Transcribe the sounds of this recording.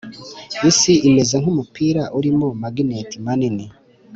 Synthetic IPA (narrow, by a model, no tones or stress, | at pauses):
jisiʔime̞zaŋhumupiːɾaʔuɾimomaɡinetimanini